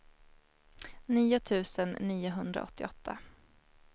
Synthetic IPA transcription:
niːʊt̪ʰʉ̟ːsənːiːʊɦɵnd̪ɾa̰ʔɔt̪ːɪɔt̪ʰːa̰

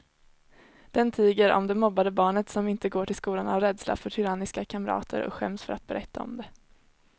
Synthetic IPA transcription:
d̪̥ɛnt̪ʰiːɡəɾɔ̰md̪ɛmɔbːad̪əbɑːɳət̪sɔmɪnt̪əɡoːʈʰɪlskuːlana̰vɾɛːd̪sla̰fœʈʰʏɾanɪskakʰamɾɑ̰ːt̪ʰə̰ɾɔ̰kɧɛmsfœɾʔat̪̚bɛɾʔɛt̪ːaɔ̰md̪ɛ

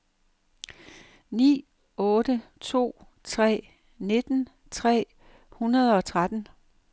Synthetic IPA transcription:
nḭː | ɔ̽ːdət͡sʰo̝̰ː | t͡sʰʁɛ̰ː | ne̝d̥n̩ | t͡sʰʁɛ̰ː | hunɐð̞ˠɒ̽t͡sʰʁad̥n̩

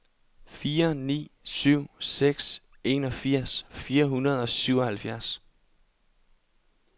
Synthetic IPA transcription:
fiːɐnḭːsyʊ̰seɡ̥s | e̝ːnɒ̽fiɐ̰sfiːɐɦunɐð̞ˠɒ̽syʊɒ̽hælfjæɐs

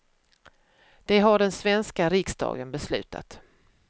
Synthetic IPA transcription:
d̪̥ɛɦaɖɛnsvɛnskaɾɪksd̪ɑ̰ːɡənbɛslʉ̟̰ːt̪ʰa̰t̪

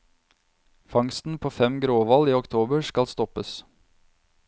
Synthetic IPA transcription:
fɑŋst̪n̩pʰoːfɛmɡɾoːʋɑliːɔkt̪ʰoːbəskɑlst̪ɔpəs

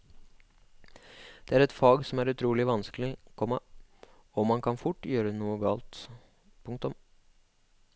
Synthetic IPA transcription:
d̪̥ɛæːɾɛt̪fɑːɡsɔmæɾʉt̪ʰɾuːlɪʋɑnsklɪkʰɔmːɑ | ɔmɑnkʰɑnfʊʈːjøːɾənuːəɡɑːlt̪ | pʰʊŋkt̪ʊm

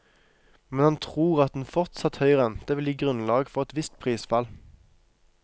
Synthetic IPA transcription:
mɛnhɑnt̪ʰʁuːʁɑt̪̚d̪n̩fɔʁt̪sɑt̪hœʏʁɛnt̪əʋɪliːɡʁʉnlɑːɡfɔʁɛt̪ʋɪst̪̚pʰʁiːsfɑl

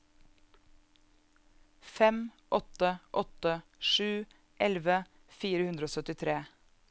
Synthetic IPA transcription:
fɛm | ʔɔt̪əʔɔt̪əʃʉː | ʔɛlʋə | fiːɾəhʉnd̪ɾoːsœt̪ɪt̪ʰɾeː

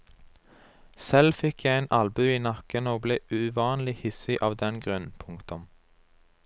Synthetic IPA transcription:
sɛlfɪkjæɪænʔɑlbʉiːnɑkənoːbleːʉʋɑːnlɪhɪsɪʔɑːʋd̪ɛnɡʁœnpʰʊŋkt̪ʊm

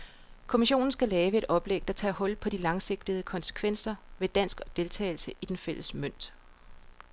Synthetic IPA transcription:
kʰo̝miɕo̝̰ːn̩sɡ̥ælɛːʋəe̝d̥ɒ̽b̥leɡ̥̚d̥ɑt͡sʰɛ̰ːhɒ̽l̰pʰɒ̽d̥ilɑ̈ŋse̝ɡ̥̚d̥əð̩ˠkʰɒ̽nsə̥kʰʋen̰sɐʋe̝d̥æn̰sɡ̥ɒ̽d̥e̝lt͡sʰɛ̰ːɪlsəʔid̥enfel̰əsmøn̰d̥

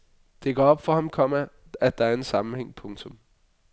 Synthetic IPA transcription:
d̥e̝ɡ̥ɒɒb̥fɒ̽hɑ̈mkʰɒ̽mæ | æd̥̚d̥ɑ̈æɐe̝nsɑ̈mn̩heŋ̰pʰɔ̽ŋt͡sʰɔ̽m

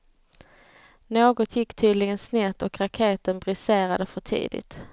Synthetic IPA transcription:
noːɡɔt̪ʰjɪkːt̪ʰyːd̪lɪɡənsnɛt̪ːɔkɾakʰeːt̪ənbɾɪseːɾad̪əfœʈʰḭːd̪ɪ̰t̪

